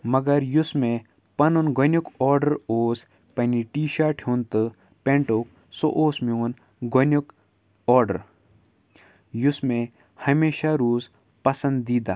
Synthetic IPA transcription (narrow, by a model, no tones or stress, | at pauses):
mɐɡɐɾjʊsmẽ | pɐnunɡʱonukɔːɾɖəɾoːs | pɐniʈiːʃaːʈʰjuːnt̪ɨ | pẽɳʈok | so̰ʔoːsmeun | ɡonuk | ɔːɾɖə̰ɾ | jusmẽ | hɐmeːʃaɾoːz | pɐsɐnd̪ːiːd̪a̰ː